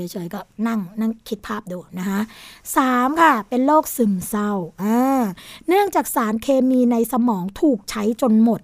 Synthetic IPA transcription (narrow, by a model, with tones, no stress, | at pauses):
jt͡ɕʰɤː˩˦jkɔː˥˩na˥˩ŋna˥˩ŋkʰi˦˥t̪̚pʰaː˥˩p̚duː˧na˦˥kʰa˦˥ʔsaː˩˦mkʰa˥˩pe˧nloː˥˩k̚sɯ˨˩msa˧wʔaː˧˩nɯ˥˩əŋt͡ɕaː˨˩k̚saː˩˦nkʰeː˧miː˧na˧jsa˧mɔː˩˦ŋt̪ʰuː˨˩k̚t͡ɕʰa˦˥jt͡ɕo˧nmo˨˩t̪̚